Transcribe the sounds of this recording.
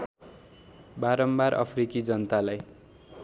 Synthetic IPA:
baɾʌmbaɾʔʌ̰pʰrikid͡zʌnʌt̪alaj

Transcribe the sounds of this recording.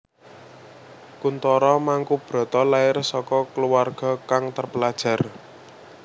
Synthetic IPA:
kunt̪ɔɾɔmaŋkub̥ɾɔ̤t̪ɔlaɪrsɔkɔkəluwarɡ̥ɔ̤kaŋt̪ərpəlad̥ʒ̥ä̤r

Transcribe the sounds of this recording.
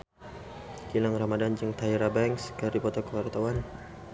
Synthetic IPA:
kilaŋramadand͡ʒəŋt̪aiɾabɛŋkskaɾipɔt̪akuwart̪awan

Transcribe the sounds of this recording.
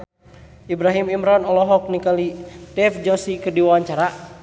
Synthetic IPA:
ibɾaɦimimɾɔnɔlɔɦɔk̚nikalitɛfd͡ʒɔsikɨrdiwawaɲt͡ʃaɾa

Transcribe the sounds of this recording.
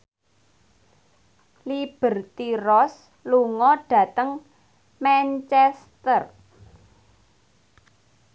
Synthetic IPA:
lib̥ə̤rt̪iɾɔs | luŋɔɖ̥ä̤t̪əŋ | mɛnt͡ʃɛst̪ər

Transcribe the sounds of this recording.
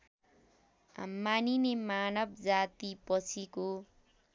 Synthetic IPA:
a̰mːaninemanʌbd͡zat̪ipʌt͡sʰiko

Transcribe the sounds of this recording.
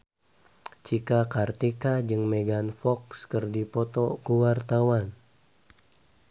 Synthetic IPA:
t͡ʃikakart̪ikad͡ʒɨŋmeɡanfɔkskɨrdipɔt̪ɔkuwart̪awan

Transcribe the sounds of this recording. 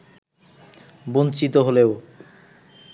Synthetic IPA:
bont͡ɕit̪oɦoleo

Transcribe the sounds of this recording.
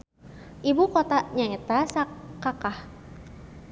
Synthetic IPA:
ʔibukot̪aɲaɛt̪asakːakah

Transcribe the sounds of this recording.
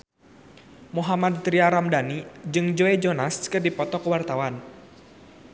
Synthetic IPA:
muɦamad̚t̪ɾiaɾamdanid͡ʒɨŋd͡ʒoɛd͡ʒɔnaskɨrdipɔt̪ɔkəwart̪awan

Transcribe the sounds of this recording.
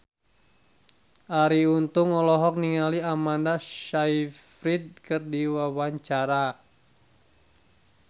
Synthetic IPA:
ʔaɾiunt̪uŋɔlɔɦɔk̚niŋaliamandaʃaifɾid̪̚kɨrdiwawaɲt͡ʃaɾa

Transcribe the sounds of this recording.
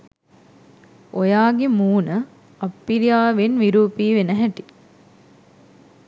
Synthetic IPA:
ojaːɡemuːnə | ɐpːilijaːʋenʋiɾuːpiːʋenəɦɛʈi

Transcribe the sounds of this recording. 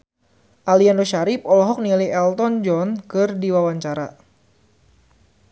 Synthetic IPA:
ʔaliandoʃaɾip̚ɔlɔɦɔk̚niliɛlt̪ɔnd͡ʒɔnkɨrdiwawaɲt͡ʃaɾa̰

